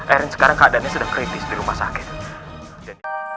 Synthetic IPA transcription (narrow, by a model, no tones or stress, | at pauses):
ʔɛɾɛnsə̥kaɾaŋkaadanɲasədaŋkɾit̪ɪsdiɾumahsa̰kɪ̥t̪̚